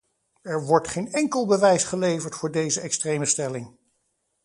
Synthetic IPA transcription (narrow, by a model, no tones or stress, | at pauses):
ɛɹʋɔɹtχejnɛŋkəlˠbəʋɛjsχəlejvəɹtfʊːɹdejzəɛkstrejməstɛlɪŋ